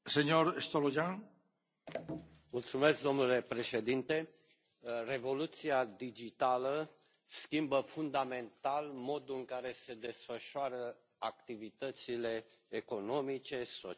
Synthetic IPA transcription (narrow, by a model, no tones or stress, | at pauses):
seɲoɾest̪oloʒaŋ | mult̪sume̞sk̚d̪o̞mnule̞pɾe̞ʃe̞d̪int̪e̞ | re̞vo̞lut̪siad̪id͡ʒit̪alə | skimbəfund̪ame̞nt̪almo̞d̪uɨŋkaɾe̞se̞d̪e̞sfəʃoaɾə | akt̪ivit̪ət̪sile̞ːko̞no̞mit͡ʃe̞so